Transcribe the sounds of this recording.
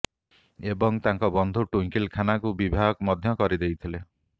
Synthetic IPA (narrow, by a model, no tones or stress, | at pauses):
ebɔŋt̪aŋkɔbɔnd̪ʱuʈuŋkilkʰanakubibʱaɡɔkmɔd̪ʱjɔkɔɾid̪ejt̪ʰile